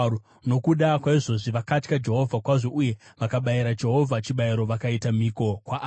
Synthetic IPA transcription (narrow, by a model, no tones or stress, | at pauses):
no̞kuɗakwaiʐo̞ʐiʋakat͡ʃkad͡ʒe̞ɦo̞vʱakwaʐo̞ʔuje̞ʋakaɓaiɾad͡ʒe̞ɦo̞vʱat͡ʃiɓaiɾo̞ʋakaitamiko̞kwa